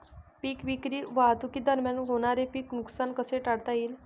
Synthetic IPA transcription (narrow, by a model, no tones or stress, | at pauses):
piːkʋikɾiːʋaat̪ukiːd̪əɾmjanɦoɽ̃aɾepiːknuksankəseʈaɽt̪aiːl